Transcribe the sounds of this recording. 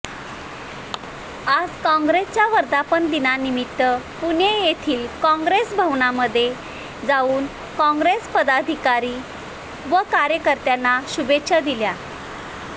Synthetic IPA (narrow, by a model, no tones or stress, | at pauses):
ad͡zkɔ̃ŋɡɾest͡ɕjaʋəɾd̪apənd̪inanimit̪ːə | puɳejet̪ʰiːlkɔ̃ŋɡɾesbʱəʋɳaməd̪ʱːje | d͡zauːn | kɔ̃ŋɡɾespəd̪ad̪ʱikaɾiː | ʋəkaɾjəkəɾt̪janːaɕubetɕʰad̪ilja